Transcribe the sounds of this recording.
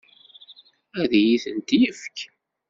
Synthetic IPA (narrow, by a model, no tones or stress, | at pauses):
æðjiθənt̪jəfk